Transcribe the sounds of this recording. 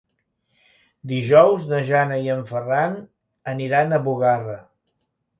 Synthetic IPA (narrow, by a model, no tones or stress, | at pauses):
d̪iʒɔwznəʒanəiəɱfəran | əniɾanəβuɣarə